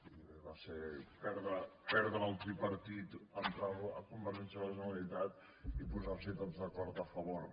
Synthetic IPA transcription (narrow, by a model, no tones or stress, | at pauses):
βaseɾpɛɾðɐpɛɾðɐalˠt̪ɾipɐɾt̪it̪ənt̪ɾaɐkumbəɾʒɛnsəɐðɐʒunɐlit̪at̪ | ipuzasit̪ɔt̪zðɐkɔɾt̪ɐfɐβɔɾ